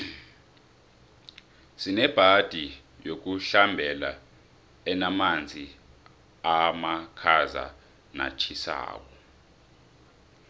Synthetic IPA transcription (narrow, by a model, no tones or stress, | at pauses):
sinɛb̥ʱad̥ʱi | jok̬uɬambʱɛla̰ | ɛnamand͡zʱi | amakʰaza̰ | na̰t͡ʃʰisa̰ːk̬ɔ